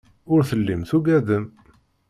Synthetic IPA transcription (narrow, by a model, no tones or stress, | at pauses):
ʊɾθəlːimθuɡæðəm